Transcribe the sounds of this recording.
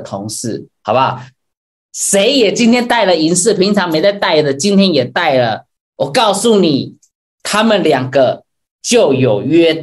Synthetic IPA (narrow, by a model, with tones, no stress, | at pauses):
t̪ʰʊ˧˦ŋʂ̩˥˩hɑ˨˩ʊba˦ | ʂe˧˦ɪjɛ˨˩t͡ɕi˥nt̪ʰjɛ˥nt̪a˥˩ɪlə˨i˧˥nsɹ̩˥˨pʰi˧˦˥ŋt͡sʰɑ˧˥ŋme˧˥ɪt͡sa˥˧ɪt̪a˥˩ɪd̪ə˨˩t͡ɕi˦nt̪ʰjɛ˦˥njɛ˨˩t̪a˥˩ɪlə˩ | wɔ˨˩kɑ˥˩ʊsu˥˩ni˨˩ | t̪ʰa˦mə˨nljɑ˨˩ŋɡə˦ | t͡ɕjo˥˨˩ʊjo˨˩ʊɥɛ˥